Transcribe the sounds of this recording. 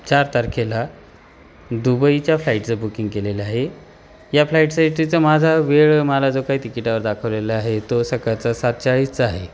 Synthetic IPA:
t͡ɕaɾt̪əɾkʰela | d̪ubəit͡ɕjaflaiʈt͡səbukiŋɡkeleləaɦe | jaflaiʈsaiʈit͡səmad͡zʱaʋeɭmalad͡zokaɦiːt̪ikiʈaʋəɾd̪akʰəʋleləaɦet̪osəkat͡sasat̪̚t͡ɕaɭiːst͡səaɦe

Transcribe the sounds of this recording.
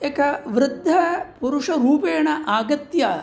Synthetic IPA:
ekɐʋɾɪd̪ʱːɐpuɾuʂɐɾuːpeːɳɐʔaːɡɐt̪jaː

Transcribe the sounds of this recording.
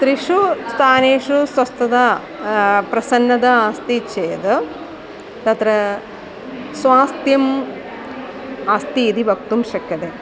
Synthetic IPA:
t̪ɾiʂust̪ʰaːneːʂusʋɐst̪ɐd̪a | pɾɐsɐnːɐd̪ɐaːst̪it͡ʃeːd̪ɐ | t̪ɐt̪ɾɐ | sʋaːst̪jɐm | ɐst̪iːd̪ibʱɐk̚t̪umʃɐkːɐd̪e

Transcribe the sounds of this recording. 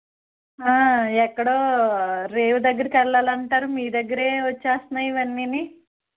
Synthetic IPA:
aːɛkːɐɽoːɾeːʋud̪ɐɡːɐɾɐkɛɭːaːlɐɳʈaːɾumiːd̪ɐɡːɐɾeːʋɐt͡ʃːaːst̪naːjiʋɐnːini

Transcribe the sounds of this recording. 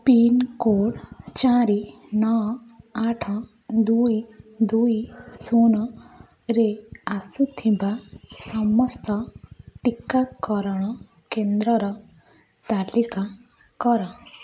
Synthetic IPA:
pinkoɽt͡ʃaɾi | nɔ | aʈʰɔ̃ | d̪uid̪uisunɔ | ɾeasut̪ʰibasɔmɔst̪ɔʈikːakɔɾɔɽ̃ɔ | kend̪ɾɔɾɔ | t̪alika | kɔɾɔ

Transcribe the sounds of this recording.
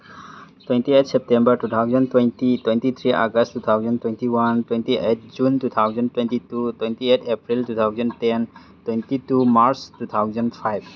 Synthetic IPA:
twejntiet̚ʰsep̚tembɐɾtut̪ʰawzɐntwejntitwentit̪ʰɾiʔa̰ɡɐsttːut̪ʰawzɐntwentiwantwentiʔet̚ʰd͡ʒuntut̪ʰawzɐntwentitutwejntietʰepɾiltut̪ʰawzɐnten | twentitumaɾstut̪ʰawzɐnpʰajb

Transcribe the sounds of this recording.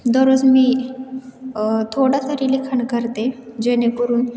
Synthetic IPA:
d̪ɔɾod͡zmiː | t̪ʰoɽat̪əɾilikʰəɳkəɾt̪ed͡ʑenekəɾuːn

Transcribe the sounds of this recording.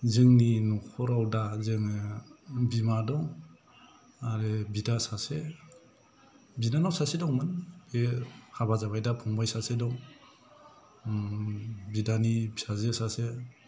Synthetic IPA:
zɯŋninukʰɔɾawdazɯŋ | bimadɔŋ | aɾebidasase | binanɔwsasedɔŋmɯnbehabazaβajdapʰɔŋbajsasedɔŋ | bidanibʰi̥sazesase

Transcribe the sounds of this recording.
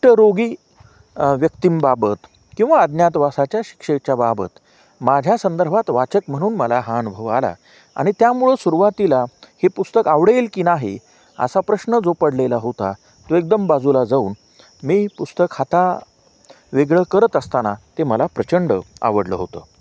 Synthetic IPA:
ʈəɾoɡiː | ʋjəkt̪imbabət̪ | kĩw̃ʋaːd̪njat̪ʋasat͡ɕjaɕi̥kʂek̚t͡ɕjababə̰t̪ | mad͡ʑʱjasənd̪əɾbʱat̪ʋat͡ɕəkm̤əɽ̃uːnməlaɦãːnubʱəʋala̰ | a̰ɽ̃it̪jamuɭəsuɾuʋat̪ilahepust̪əkaʋɽelkinaɦḛ | ə̰sapɾəɕnəd͡zopəɽlelaɦot̪a̰ | t̪oek̚d̪əmbad͡zulad͡zaṵːn | miːpust̪əkhat̪a | ʋeɡɭəkəɾət̪əst̪anat̪eməlapɾət͡ɕəɳɖəa̰ʋəɽlə̰ɦot̪əː

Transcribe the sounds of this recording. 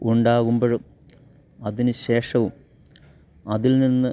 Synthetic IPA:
uɳɖaːɣumboɻum | ɐðinɨɕe̞ːʂɐʋum | ɐðilninːɨ

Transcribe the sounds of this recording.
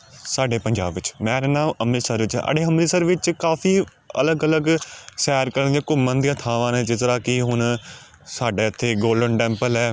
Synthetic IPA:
saːɖeːpəɲd͡ʒa̰ːbʋɪt͡ʃmɛ̃ːɾeːnãːməmisəɾʋɪt͡ʃə̰ɖeːɦəmiːsəɾʋɪt͡ʃkaːfʰiː | ə̰ləɡələɡsɛːɾkəɾnd̪ijãːkʊmːə̃nd̪ɪjãːt̪ʰãːʋãːneːd͡ʒɪt̪ɾaːkɪɦʊn | saːɖeːɪt̪ʰːeːɡoːlɖəɳʈɛ̃ːmpəlɛː

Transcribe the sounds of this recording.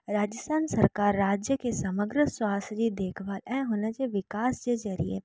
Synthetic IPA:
ɾaːd͡ʒəst̪ʰaːnsɐɾkaːɾːaːd͡ʒjəkesɐməɡɾəswaːsd͡ʒid̪eːkʰʋaːlɛ̃ɦoːnad͡ʒeʋɪkaːsd͡ʒezɐɾiḛ

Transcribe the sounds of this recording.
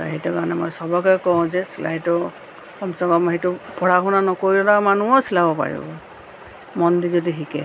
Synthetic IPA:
tɔ̰ɦetukaɔnɛmɔjsɔbɔkɛkɔʊ̃zɛsila̰jtɔ | kɔmsɔɡɔmɦetupɔɹaɦunanɔkoɹiɔlamanuɔsilabɔpa̰ɹḭbɔ | mɔndizɔdiɦikɛ̰

